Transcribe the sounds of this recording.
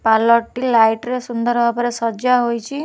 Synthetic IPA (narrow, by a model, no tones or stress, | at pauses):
palɔʈːilajʈɾesund̪ɔɾbʱapɔɾesɔd͡ʒaɦojt͡ʃʰi